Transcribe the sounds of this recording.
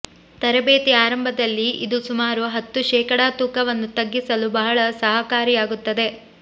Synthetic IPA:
t̪ɐɾɐbeːt̪iaːɾɐmbʱɐd̪ɐlːiḭd̪usumaːɾuɦɐt̪ːuʃɛːkɐɽaːt̪uːkɐʋɐnːut̪ɐɡːisɐlubɐɦɐɭɐsɐɦɐkaːɾijaːɡut̪ːɐd̪e̞

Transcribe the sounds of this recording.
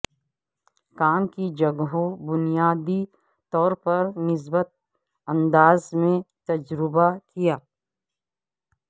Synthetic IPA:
kaːmkid͡ʒɐɡɦõbʊnijaːd̪i | t̪ɔːɾpɐɾnɪs̬bət̪̚ | ɐ̃nd̪aːzmẽt̪ɐd͡ʒɾɪbakijaː

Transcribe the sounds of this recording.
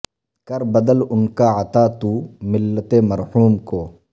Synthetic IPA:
kɐɾbɐd̪əlʊnkaːɐt̪aːt̪uːmɪlːət̪eːmɐɾhuːmkoː

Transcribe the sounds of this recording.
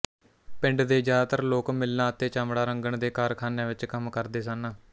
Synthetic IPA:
pɪ̃ɳɖd̪eːd͡ʒaːt̪əɾloːkmɪlnãːt̪eːt͡ʃaːmɽaːɾəŋɡəɳd̪eːkaːɾkʰaːnẽːʋɪt͡ʃkəmkəɾd̪eːsənː

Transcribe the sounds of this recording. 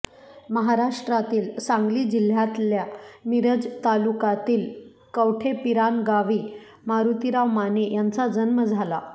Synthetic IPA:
məɦaɾaʂʈɾat̪iːlsaŋɡliːd͡ʑil̤jat̪ljamiɾəd͡zt̪alukat̪iːl | kəwʈʰepiɾanɡaʋiː | maɾut̪iɾaʋmanejant͡sad͡zənməd͡zʱala

